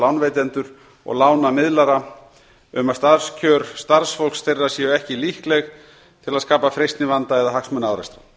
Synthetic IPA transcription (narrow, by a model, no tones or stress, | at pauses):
lawnvejt̪ɛnt̪ʏɾ̥ | ɔ̰ɣlaːwnamɪðlaɾa | ʏmast̪aðscʰœːɾ̥st̪aɾsfɔlkst̪erːasjɛɛhcɪlihklɛɣ | t̪ʰɪlaðskaːpafɾejst̪nɪvant̪aɛðaɦaksmœnːaːwɾɛst̪ɾḁ